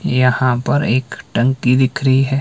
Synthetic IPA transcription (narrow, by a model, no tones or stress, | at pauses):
jɐhãpɐɾeːkʈɐ̃ŋkid̪ɪkʰɾəɦiɦɛː